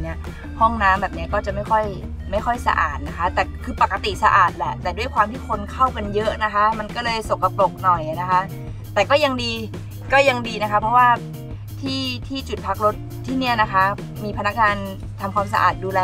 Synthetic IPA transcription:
ni˦˥ɐ | hɔ˥˩ŋnaː˦˥mbɛː˨˩p̚ni˦˥ɐkɔː˥˩t͡ɕa˨˩ʔma˥˩jkʰɔ˥˩j | ma˥˩jxʰɔ˥˩jsa̰˧ʔa̰ː˨˩t̪̚na˦˥kʰa˦˥t̪ɛː˨˩kʰɯː˧pa˨˩kːa˧t̪i˨˩sa˧ʔaː˨˩t̪̚lɛ˧˩t̪ɛː˨˩du˥˩əjkwaː˧mt̪ʰiː˥˩kʰo˧nkʰa˥˩wka˧njɤ˦˥ʔna˦˥kʰa˦˥ma˧nkɔː˥˩lɤː˧jso˨˩ŋkːa˨˩plo˨˩k̚nɔ˨˩jna˦˥kʰa˦˥ | t̪ɛː˨˩kɔː˥˩ja˧ŋdiː˧ | kɔː˥˩ja˧ŋdiː˧na˦˥kʰa˦˥pʰɔ˦˥waː˥˩ | t̪ʰiː˥˩t̪ʰiː˥˩t͡ɕu˨˩t̪̚pʰa˦˥k̚ɾo˦˥t̪̚ʰːiː˥˩ni˦˥˩ɐna˦˥kʰa˦˥ | miː˧pʰa˧na˦˥k̚ŋaː˧n | t̪ʰa˧mkʰwaː˧ms̬a̰˧ʔa̰ː˨˩t̪̚duː˧lɛː˧

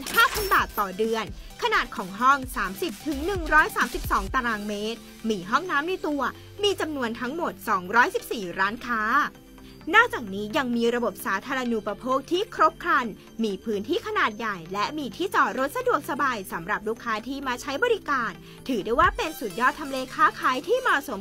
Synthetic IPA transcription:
nhaː˥˩pʰa˧nbaː˨˩t̪ːɔː˨˩dɯ˧ənkʰa˧naː˨˩t̪̚kʰɔː˩˦ŋɦɔ˥˩ŋsaː˩˦msi˨˩p̚t̪ʰɯ˩˦ŋnɯ˨˩ŋɾɔː˦˥jsaː˩˦msi˨˩p̚sɔː˩˦ŋt̪a˧ɾaː˧nmeː˦˥t̪̚ | miː˧ɦɔ˥˩ŋnaː˦˥mna˧jt̪u˧ɐ | miː˧t͡ɕa˧mnu˧ənt̪ʰa˦˥ŋmo˨˩t̪̚sɔː˩˦ŋɾɔː˦˥jsi˨˩p̚siː˨˩ɾaː˦˥nkʰaː˦˥ | nɔː˥˩k̚t͡ɕaː˨˩k̚niː˦˥ja˧ŋmiː˧ɾa˧bo˨˩p̚saː˩˦t̪ʰaː˧ɾa˧nu˨˩pa˧pʰoː˥˩k̚t̪ʰiː˥˩kʰɾo˦˥p̚kʰɾaː˧n | miː˧pʰɯː˦˥nt̪ʰiː˥˩kʰa˧naː˨˩t̪̚ja˨˩jlɛ˦˥ʔmiː˧t̪ʰiː˥˩t͡ɕɔː˨˩ɾo˦˥t̪̚sa˧du˨˩ək̚sa˧baː˧jsa˩˦mɾa˨˩p̚luː˦˥˩kʰːaː˦˥t̪ʰiː˥˩maː˧˩t͡ɕʰa˦˥jbɔː˧ɾi˦˥kaː˧n | t̪ʰɯː˨˩˦daː˥˩jwaː˥˩pe˧nsuː˨˩t̪̚jɔː˥˩t̪ʰːa˧mleː˧kʰaː˦˥kʰaː˨˦jt̪ʰiː˥˩mɔː˨˩so˩˦m

